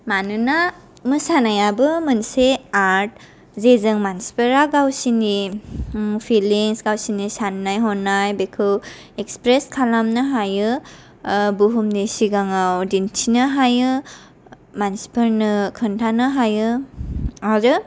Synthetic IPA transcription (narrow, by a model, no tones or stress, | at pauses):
manɯna | mɯsanajabɯmɯnseaɾt̚ | zezɯŋmansi̥pʰɯɾaɡawsini | pʰiliŋsɡawsinisanːajɦɔnːajbekʰɯw | ekspɾeskʰalamnɯɦajɯ | buɦumnesiɡaŋawdintʰinɯɦajɯ | mansi̥pʰɯɾnɯkʰɯntʰanɯɦajɯ | aɾɯ